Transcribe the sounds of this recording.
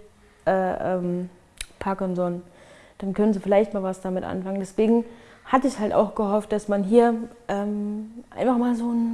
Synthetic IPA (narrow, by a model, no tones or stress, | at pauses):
ʔɛːʔɛ̰ːm | pʰakʊnzɔn | d̥ankʰœnənziːfɪlaɪçtmaːlvasd̥amɪtʔa̰nfaŋəndɛsv̥eːɡŋ̩hatəɪçhalta̰ʊxɡ̥əɦɔft̚d̥asmanɦiːɐʔɛːmʔa̰ɪnfaχmaːlzoːn